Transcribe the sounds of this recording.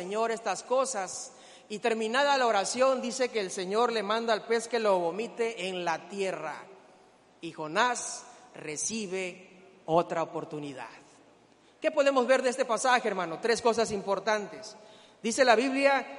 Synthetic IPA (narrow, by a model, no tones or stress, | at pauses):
eɲo̞ɾe̞st̪asko̞sas | it̪e̞ɾmĩnaðalaoɾasjo̞nd̪ise̞ke̞ːlse̞ɲo̞ɾle̞mãnd̪aːlpe̞ske̞lo̞βomit̪e̞ʔːnlat̪je̞ra̰ | ixo̞nasre̞siβe | ot̪ɾaopo̞ɾt̪uniða̰ð | ke̞po̞ðe̞mo̞zβe̞ɾðeest̪e̞pasaxeeɾmãno̞t̪ɾe̞sko̞s̬asimpo̞ɾt̪ant̪es | d̪ise̞laβiβlja